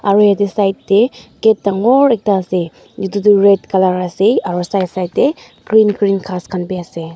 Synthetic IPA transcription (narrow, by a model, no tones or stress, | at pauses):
aɾujadisajtːeɡetːaŋɔɾek̚taːse | d͡ʒududuɾetkalaɾaseaɾusajsajtde | ɡɾinɡɾinkʰaskʰanbiase